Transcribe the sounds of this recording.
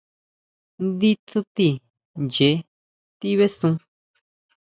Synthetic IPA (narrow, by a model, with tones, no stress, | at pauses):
nd̪i˦t͡su˦t̪i˧˨ | nd͡ʒe˨˦ | t̪i˦βe˦sũ˧